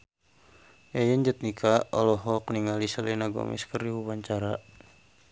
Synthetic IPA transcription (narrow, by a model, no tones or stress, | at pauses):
jajəɲd͡ʒət̪̚nikʰaɔlɔɦɔk̚niŋalisəlinaɡɔ̰mḭskəriwuwaɲt͡ʃaɾa